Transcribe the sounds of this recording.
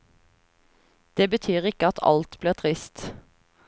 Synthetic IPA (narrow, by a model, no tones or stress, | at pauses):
d̪̥eːbət̪ʰyːʁɪkəɑt̪ʰɑ̰lt̪bliːʁt̪ʰʁɪst̪